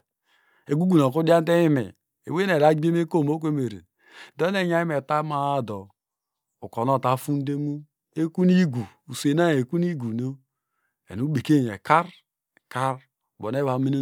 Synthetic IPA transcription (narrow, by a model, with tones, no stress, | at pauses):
e˨ɡu˦ɡu˨n˨o˨ku˦di˦a˦n˦te˦i˦mḛ˨ | ḛ˨we˦ne˨ɾa˨˦ɡ͡bi˦e˦me˦ko˦˨mo˦k̬ʷe˦me˨ɾḛ˨ | do˦ne˦˨ɲa˦ji˦me˨ta˦ma˨a˦do˨ | u˨ko˨no˦˨ta˨˦fu˦n˦de˦mu˦ | e˦ku˦ni˦ɡu˨ | u˨se˨na˦je˨ku˦ni˦ɡu˨no˦ | ḛ˨nu˦be˨ke˦˨ḛ˨ka˦ɾ | ka˦ɾ | bo˨ne˦βa˨˦me˦no˦